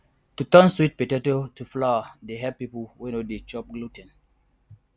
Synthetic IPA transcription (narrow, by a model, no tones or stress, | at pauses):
tutə̃nswit̚petɛtotuflaadeɦɛpipuwenodet͡ʃɔp̚ɡlutɛ̃n